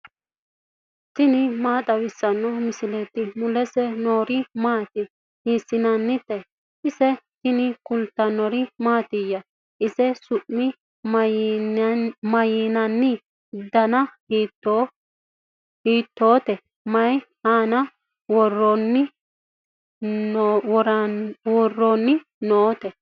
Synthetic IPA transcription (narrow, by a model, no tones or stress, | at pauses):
t̪ɪnɪmaːt̪ʼɐwɪsːɐnːɔmɪsɪlɛt̪ːɪmʊlɛsɛnoːɾɪmaːt̪ɪ | hiːsɪnɐnːɪt̪ɛ | ʔɪsɛt̪ɪnɪkʊlt̪ːɐnɔɾɪmaːt̪ɪjːɐ | ɪsɛsʊʔːɪ | mɐjɪnɐnːɪ | d̪ɐnɐ | it̪ːo | hiːt̪ːoːt̪ɛ | mɐjhaːnɐ | wɔrɔnːɪ | ɔɾwɔrːonːɪ | noːt̪ɛ